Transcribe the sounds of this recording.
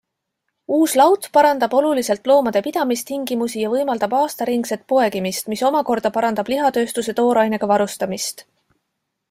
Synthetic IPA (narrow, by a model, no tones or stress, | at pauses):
uːslɑwt̪ˑpɑɾɑnd̪ɑb̥o̞lulise̞lt̪ˑlo̞ːmɑd̪̥e̞pid̪̥ɑmist̪iŋɡimusijɑvɤjmɑld̪̥ɑbɑːst̪ɑɾiŋɡse̞t̪̚ˑpo̞e̞ɡimist̪miso̞mɑko̞rd̪̥ɑpɑɾɑnd̪ɑb̥liɦɑt̪ø̞ːst̪use̞t̪o̞ːɾɑjne̞ɡ̥ɑvɑɾust̪ɑmist̪